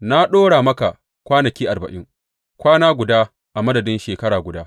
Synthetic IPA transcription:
na˦ɗoː˦ɽaː˨mɐ˦ka˨ | kʷaː˦nɐ˨kʲiː˦ʔa˨rbɐ̰˨ʔɪ˦ŋ | kʷaː˦naː˦ɡʷʊ˨daː˦ | ʔa˨mɐ˦dɐ˨dɪ˦nʃeː˨kɐ˦ɽaː˨ɡʷʊ˨daː˦

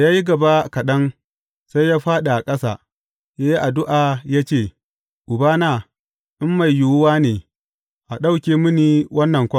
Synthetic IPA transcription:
jaː˦ji˦ɡɐ˨ba˦kɐ˨ɗɐ˦ŋ | sa˦jːaː˦ɸaː˦ɗa˨ʔa˨kʼɐ˦sa̰ː˨ | ja˦ji˦ʔa˨dʊ˦ʔaː˨jaː˦t͡ʃeː˦˨ | ʔʊ˨baː˦naː˦˨ | ʔɪ˦mːa˨jːʊ˨wʊ˦waː˦neː˨ | ʔa˨ɗa˦wkʲeː˨mʊ˦niː˨wʔɐ˦nːɐ˨ŋkʷɔ˦

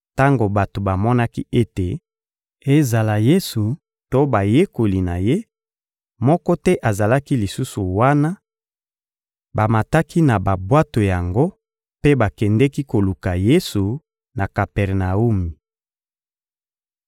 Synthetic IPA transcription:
ta˦ŋɡo˨ba˨to˨ba˨mɔ˦na˦ki˦e˦te˨ | e˦za˨la˨je˦su˨ | to˦ba˨je˦ko˨li˨na˨je˦ | mɔ˦kɔ˦tɛ˦ʔa˨za˨la˦ki˦li˨su˦su˨wa˦na˦ | ba˨ma˨ta˦ki˦na˨ba˨bwa˦to˨ja˨ŋɡo˦ | pe˦ba˨kɛ˨ndɛ˦ki˦ko˨lu˨ka˨je˦su˨ | na˨ka˨pɛ˨ʁna˨u˦mi˨

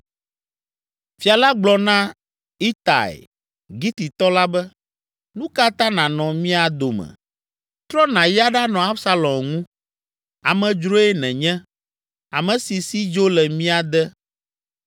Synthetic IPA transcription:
fi˨a˨la˦ɡ͡blɔ˨nã˦ | i˦t̪a̰˨ḛ˨ | ɡi˦t̪i˨t̪ɔ˦la˦bɛ˦ | nũ˦ka˦t̪ã˦nã˨nɔ̃˨mĩ˦a˨d̪o˨mɛ̰̃˨ | t̪ɾɔ˦nã˨ja˦ɖa˦nɔ̃˨a˦bsa˦lɔ̃˨mŋũ˦ | a˨mɛ̃˨d͡ʒɾo˦ɛ˦nɛ̃˨ɲɛ̃˦ | a˨mɛ̃˨si˨si˦d͡ʒo˦lɛ˨mĩ˦a˨d̪ɛ˦

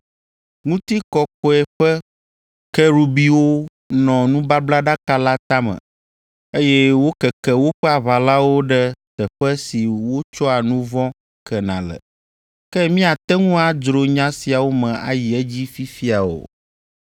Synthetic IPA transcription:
ŋũ˦t̪i˦kɔ˨kɔ˨ɛ˨ɸɛ˦ | kɛ˦ɾu˨bi˦wo˦ | nɔ̃˨nũ˦ba˦bla˦ɖa˦ka˦la˦t̪a˦mə̰̃˨ | e˦jɛ˦wo˦kɛ˨kɛ˨wo˦ɸɛ˦a˨βa˨la˦wo˦ɖɛ˦t̪ɛ˨ɸɛ˦si˨wo˦t͡ʃɔ˦a˨nũ˦vɔ̃˦ | kɛ˨nã̰˨lɛ̰˨ | kɛ˦mĩ˦a˨t̪ɛ˦ŋũ˦a˨d͡ʒɾo˨ɲã˦si˨a˨wo˦mɛ̃˨a̰˨ji˨ɛ˦d͡ʑi˦fi˦fi˦a˨wo̰˨

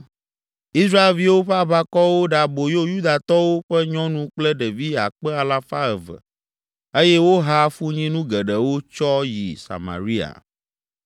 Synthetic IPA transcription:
i˦sɾa˦e˨lvi˦wo˦ɸa˦βa˦kɔ˦wo˦ɖa˨bo˨jo˦ju˦d̪a˨t̪ɔ˦wo˦ɸɛ˦ɲɔ̃˦nũ˦k͡plɛ˦ɖɛ˨vi˦a̰˨k͡pɛ˦a˨la˦fa˦ɛ˨və̰˨ | e˦jɛ˦wo˦ɦa˦fu˦ɲĩ˦nũ˦ɡɛ˨ɖɛ˨wo˦t͡ʃɔ˦jḭ˨sa̰˨mã̰˨ɾi˦a̰˨

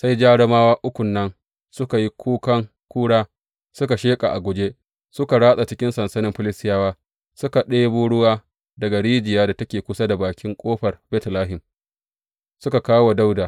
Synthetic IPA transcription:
sa˦jd͡ʒaː˦ɽɐ˦maː˦waː˦ʔʊ˦kʷʊ˨nːɐ˦n | sʊ˦ka˨ji˦kʰʷuː˦kɐ˦ŋ | kʷuː˦ɽaː˦ | sʊ˦ka˨ʃeː˦kʼa̰˨ʔa˨ɡʷʊ˨d͡ʒeː˦ | sʊ˦ka˨ɽaː˦sa˨t͡ʃɪ˦kʲɪ˦nsɐ˨nsɐ˦nɪ˦mɸɪ˦lɪ˦sɪ˦jaː˦waː˦ | sʊ˦ka˨ɗeː˦buː˦ɽʊ˦waː˦ | dɐ˨ɡa˨ɽiː˦d͡ʒɪ˨jaː˦da˨tɐ˦kʲeː˨kʷʊ˦sa˦da˨baː˨kʲɪ˦ŋkʷʼoː˦ɸɐ˨rbɛ˦tlaː˦ɦɪ˨m | sʊ˦ka˨kaː˦wa˨da˦wda˨

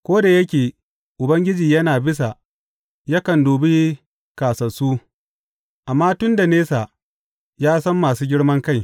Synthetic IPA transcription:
kʷoː˦da˨jɐ˦k̬ʲeː˨ | ʔʊ˨bɐ˦ŋɡʲɪ˦d͡ʒiː˨jɐ˦naː˨bɪ˦s̬a˨ | jɐ˦kɐ˨ndoː˨bi˦ | kaː˨sɐ˨suː˦ | ʔa˨mːaː˦tʊ˦nda˨neː˦sa˨ | jaː˦sɐ˦mːaː˨suː˦ɡʲɪ˦ɽmɐ˦ŋka˦˨j

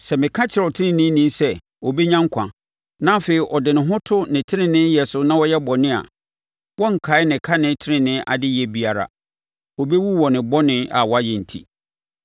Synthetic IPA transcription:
sɛ˨mɪ̃˨kʰã˦t͡ɕʰɪ˨ɾɛ˨tʰɪ˦nɪ̃˨nɪ̃˦nĩ˦sɛ˦ | wɔ˨be˦ɲã˦ŋ˦kʷʰã̰˨ | nã˦feː˨i˨ʔɔ˨dɪ˨nɪ̃˨ɦʊ̃˦tʰʊ˦nɪ̃˨tʰɪ˦nɪ̃˦nɪ̃˦jɛ˨sʊ˨nã˦wɔ˦jɛ˦bɔ˨nɪ̃˦a̰˨ | wɔ˦ŋ̩˨kʰa˨˦ɪ˦nɪ̃˨kʰa˦nɪ̃˦tʰɪ˦ɾɪ̃˦nɪ̃˦ʔa̰˨dɪ˦jɛ˨bi˨a˨ɾa̰˨ | wɔ˨be˦wu˦wɔ˨nɪ̃˨bɔ˦nɪ̃˦a̰˨wɔ˦a˦jɛ˨n̩˨tʰḭ˦

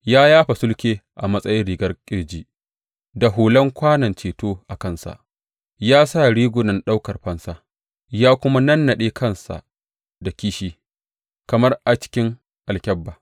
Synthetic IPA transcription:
jaː˦jaː˦ɸa˨sʊ˦lkʲeː˦ʔa˨mɐ˦sʼɐ˦jɪ˦nɽiː˨ɡɐ˦rkʲʼɪ˦ɽd͡ʒiː˦ | da˨ɦoː˨lɐ˦ŋkʷaː˦nɐ˨nt͡ʃeː˨toː˦ʔa˨kɐ˦˨nsa̰˨ʔ | jaː˦sa˦˨ɽiː˦ɡʷʊ˨nɐ˨nɗa˦wkɐ˨rɸɐ˦nsaː˦ | jaː˦kʷʊ˦ma˦nɐ˦nːɐ˨ɗeː˦kʰɐ˦nsa̰˨ʔ | da˨kʲiː˦ʃiː˦ | kɐ˨mɐ˦rʔa˨t͡ʃɪ̥˦kʲɪ˦ŋ | ʔa˨lkʲɐ˦bːaː˨

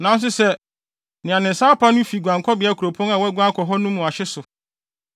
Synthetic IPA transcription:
nã˨˦n˦s̬ʊ˦sɛ˦ | nɪ̃˨ã˨nɪ̃˨n̩˨saː˦pʰa˦nʊ̃˦fi˨ɡʷã˨ŋkʰɔ˦bɪ˨˦a˦kʰu˨ɾo˨pʰɔ̃˦ŋa˨wɛ˦ɡʷa˦kʰɔ˨ɦɔ˦nũ˦mũ˨a˨ɕɪ˦sʊ˨

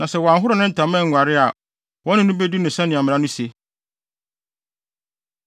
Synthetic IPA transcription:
nã˨sɛ˨wɔ˨ã˨ŋ˨ɦʊ˦ɾɔ˨nʊ̃˦n̩˦˨tʰã˨mɛ̃˦˨ŋ̩ʷ˨a˨ɾɪ˦a˨ | wɔ̃˦nɪ̃˦nʊ̃˦be˦du˦nʊ̃˨sɛ̃˦nɪ̃˨a˨mɪ̃˨ã˦nʊ̃˦si˨e˦

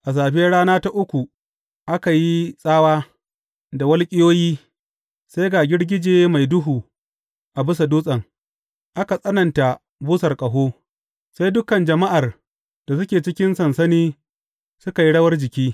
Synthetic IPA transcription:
ʔa˨s̬aː˨ɸe˦ɽaː˦naː˦ta˦ʔʊ˦kʷu˨ | ʔa˦ka˨ji˦sʼaː˦waː˦ | da˨wɐ˦lkʲʼɪ˦joː˦jiː˦ | sa˦jɡaː˨ɡʲɪ˦ɽɡʲɪ˦d͡ʒeː˦ma˨jdʊ˦ɦuː˨ | ʔa˨bɪ˦sa˨duː˦sʼɐ˨ŋ | ʔa˦ka˨sʼɐ˦nɐ˨nta˨ | buː˦sɐ˨rkʼɐ˨ɦoː˦ | sa˦jdʊ˦kɐ˨nd͡ʒɐ˨ma˦ʔa˨r | d̥a˨s̬ʊ˦kʲeː˨t͡ʃɪ˦kʲɪ˦nsɐ˨nsɐ˦niː˦ | sʊ˦ka˨ji˦ɽɐ˦wɐ˦rd͡ʒɪ˨kʲiː˦

